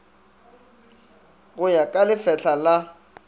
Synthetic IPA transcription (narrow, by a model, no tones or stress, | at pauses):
ɣʊjakʼalɪfɛɬʰala